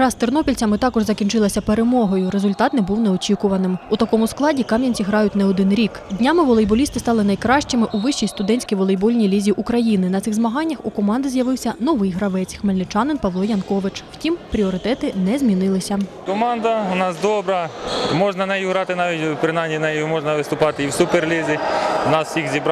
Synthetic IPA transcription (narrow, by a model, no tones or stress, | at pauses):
ɾɑst̪ɪrnɔpʲilʲt͡sʲɐmɪt̪ɑkɔʒzɐkʲint͡ʃɪlˠɐsʲɐpe̞ɾemɔɦɔjʊɾezʊlʲt̪ɑt̪nɛbuwnɛɔt͡ʃʲikʊʋɐnɪmʊt̪ɐkɔmʊsklˠɑdʲikɑmʲjɐnʲt͡sʲiɦɾɑjʊtʲnɛɔd̪ɪnɾʲikdʲnʲamɪʋɔlˠejbɔlʲist̪ɪst̪ɑlˠɪnɐjkɾɑʃt͡ʃɪmɪʔuʋɪʃt͡ʃijst̪ʊd̪ɛnʲsʲkʲijʋɔlˠejbɔlʲnʲijlʲizʲiʔukɾɐjinɪnɐt̪sɪxzmɐɦɑnʲːɐxukɔmɑnd̪ɪzʲjɐʋɪwsʲɐnɔʋɪjɦɾɐʋɛt͡sʲxmelʲnɪt͡ʃɑnɪnpɐʋlˠɔjɐnkɔʋɪt͡ʃw̥tʲimpɾʲiɔɾɪt̪ɛt̪ɪnɛzʲmʲinɪlˠɪsʲɐ | kɔmɑnd̪ɐʊnɑsd̪ɔbɾɐmɔʒnɐnɛjuɦɾɑt̪ɪnɑʋʲitʲpɾɪnɑmʲinɛjjmɔʒnɐʋɪst̪ʊpɑt̪ɪiwsuperlʲizʲinɑssʲixzʲibɾ